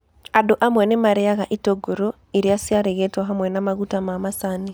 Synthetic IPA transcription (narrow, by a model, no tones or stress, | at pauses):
adoʔamwɛnemaɾeaɣaʔitoɡoɾo | iɾiasiaɾeɣetwaɦamwɛnamaɣutamamasani